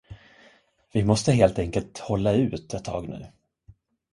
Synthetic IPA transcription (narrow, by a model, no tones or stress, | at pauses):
vɪmɔst̪əɦeːlt̪ɛŋkəlt̪hɔlːaʉ̟ːt̪ɛt̪ʰːɑ̰ːɡnʉ̟̰ː